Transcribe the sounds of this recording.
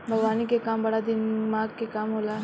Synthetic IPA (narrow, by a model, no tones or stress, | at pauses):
bʱɐɡʋaːnikekaːmbɐɽad̪ɪnmaːɡkekaːmɦoːlaː